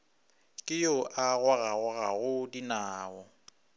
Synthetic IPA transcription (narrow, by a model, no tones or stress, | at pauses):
kʼɪjʊʔaɣwaɣaɣʊɣaɣʊdinaːɔ